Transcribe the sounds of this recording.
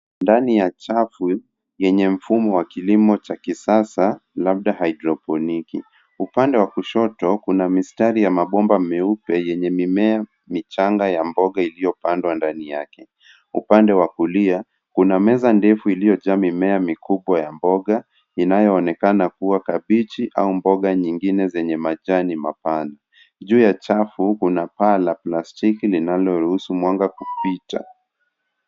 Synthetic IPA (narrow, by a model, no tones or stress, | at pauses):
ndanijat͡ʃafu | jɛɲɛm̩fumɔwakilimɔt͡ʃakisasalaɓ̚ɗahajidɾɔpɔniki | upandɛwakuʃɔtɔkunamistaɾijamaɓɔmbamɛupɛjɛɲɛmimɛa | mit͡ʃaŋɡajambɔɠailijɔpandwandanijakɛ | ṵpandɛwakulia | kunamɛzandɛfuilijɔʄamimɛamikuɓwajambɔɡa | inajɔːnɛkanakuwakaɓit͡ʃiʔa̰umbɔɠaɲiŋɡinɛzɛɲɛmaʄanima̰pana | ʄuːjat͡ʃafukunapalaplastikilinalɔɾuhusumwaŋɡakupita̰